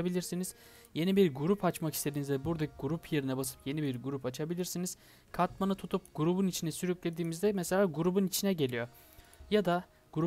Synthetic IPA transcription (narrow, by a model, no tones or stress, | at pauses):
bilʲiɾsiniz̥ | je̞nibiɾɡuɾupʰat͡ʃmaki̥st̪ʰe̞d̪inizɛbuɾd̪aɡuɾupʰje̞ɾinɛbasɯ̥pje̞nibiɾɡuɾupat͡ʃʰabilʲiɾsiniz̥ | kʰat̪manɯt̪ʰut̪ʰup̚ɡ̥uɾubunit͡ʃʰinɛsyɾyclʲe̞d̪iːmizd̪ɛmɛse̞lʲaːɡuɾubunit͡ʃʰinɛɟe̞lʲijo | jad̪a | ɡ̥uɾu